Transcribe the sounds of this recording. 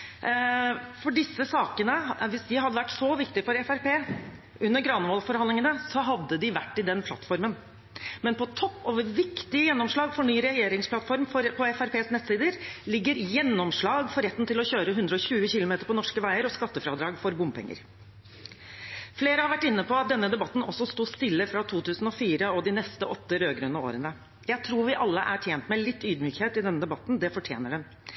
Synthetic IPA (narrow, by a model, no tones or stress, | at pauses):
fɔɖɪsːəsɑːkənəʋɪsd̪ɪɦɑd̪ːəʋæʈːsɔʋɪkt̪ɪfɔɾɛfæɾpeː | ʉnːəɾɡɾɑːnəʋɔːlfɔɾɑnlɪŋənəsɔɦɑd̪ːəd̪ɪʋæʈːɪd̪ɛnpʰlɑ̰t̪ːfɔɾmən | mɛnpɔt̪ʰɔpːoːʋəɾʋɪkt̪ɪəjɛnːɔmʂɭɑːɡfɔɳyːɾɛjeːɾɪŋspʰlɑt̪fɔɾmɔɾpʰɔɛfæɾpʰeːsnɛt̪siːd̪əɾlɪɡːəɾjɛnːɔmʂɭɑːɡfɔɾɛt̪ːn̩t̪ɪlɔçøːɾəɦʉnd̪ɾəɔɕʉːəçɪlʊmeːt̪əɾpʰɔnɔʂkəʋæɪəɾɔskɑt̪ːəfɾɑːd̪ɾɑːɡfɔɾbʊmpʰɛ̰ŋːə̰ɾ | fleːɾəhɑɾʋæʈːɪnːəpʰɔɑt̪̚d̪ɛnːəd̪ɛbɑt̪ːn̩ɔsːɔst̪uːst̪ɪlːəfɾɑt̪ʰuːt̪ʉːsn̩ɔfiːɾəɔd̪ɪnɛst̪əʔɔt̪ːəɾøːɡɾøːnəo̰ːɾənə | jæɪt̪ʰɾuːɾʋɪʔɑlːəʔæʈʰjeːnt̪mɛlɪt̪ːyːd̪myːkheːt̪ɪd̪ɛnːəd̪ɛbɑt̪ːn̩d̪ɛfɔʈʰjḛːnəɖɛn